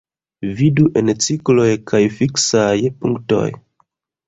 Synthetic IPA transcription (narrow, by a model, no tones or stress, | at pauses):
viduʔent͡siklo̞jkʰajfiksajpuŋkto̞̰j